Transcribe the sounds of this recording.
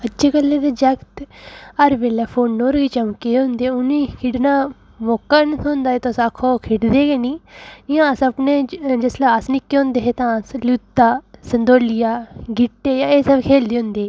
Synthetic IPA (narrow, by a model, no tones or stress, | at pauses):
ət͡ʃeːkəlːeːd̪eːd͡ʒɛkt̪əɾʋeːlɛːpʰoːnːoːɾɡiːt͡ʃəmkːeːeɦʊ̃nd̪eːʊnĩːkʰɪɽnãː | moːkːaːnõːnd̪aːeːt̪osaːkʰoːkʰeʈd̪eːɡeːniːɪjãːsəpneːd͡ʒəslaːasnɪkːeːõnd̪eːɦeːt̪ãːsluːt̪ːaːsənd̪oːlɪjaːɡɪʈːeːjaːeːsəbkʰeːld̪eːɦʊ̃nd̪eː